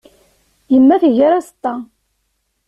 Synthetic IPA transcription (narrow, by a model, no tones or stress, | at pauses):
jəmːæθəʝəɾast̪ːɑ